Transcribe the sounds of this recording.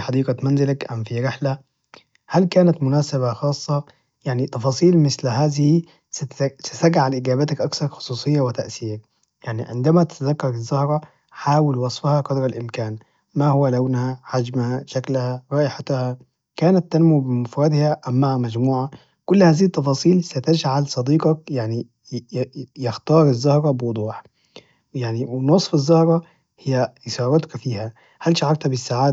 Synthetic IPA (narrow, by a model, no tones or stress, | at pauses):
ħɑd̪iːɡamanzɪlakʔamfiɾɪħla | halkaːnat̪mʊnaːsaβaxɑːsˤːɑ | jaʕnit̪ˤɑfɑːsˤiːlmɪslhaːzɪhi | ssɪsaɡaʕalʔɪɡaːbat̪akʔaksɑɾˤxʊ̥sˤuːsˤɨjːawɪt̪aʔsiːak | jaʕnḭʕɪ̰nd̪amat̪ɪ̥t̪azakːɑɾˤɪzːahɾˤɑ | ħaːwɪlwɑsˤfhɑqɑd̪ɾˤɑlʔɪmkaːn | mahʊwːalawnhaħad͡ʒmhaʃaklhaɾˤɑːʔɪħat̪ha | kaːnat̪ːanmubɪmʊfɾˤɑd̪ɪhaʔæmːaːhæmæd͡ʒmuːʕa | kʊlːhaːziːt̪ːɑfɑːsˤiːlsat̪ad͡ʒʕalsˤɑd̪iːqɑkjaʕni | jɪxt̪ɑːɾˤɪzːahɾˤɑbɪwʊd̪ˤuːħ | jaʕniwɪnosˤfɪzːɑhɾˤɑ | hɪjːæʔɪsɑːɾˤɑt̪kfiːhæ | halʃaʕɑɾˤt̪hæbɪsːaʕaːd̪